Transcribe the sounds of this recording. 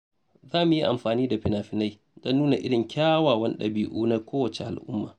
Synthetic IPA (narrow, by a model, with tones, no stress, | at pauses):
zaː˦mʊ˨ji˦ʔa˨mɸaː˨niː˦da˨ɸɪ˨naː˨ɸɪ˨na˦j | d̥ɐ˦nːuː˦na˨ʔɪ˦ɽɪ˨ŋkʲaː˦waː˨wɐ˦n˦ɗɐ˨biː˨˦ʔuː˦na˦kʷoː˦wɐ˨t͡ʃe˨ʔa̰˨lʔʊ̰˦mːa̰ː˨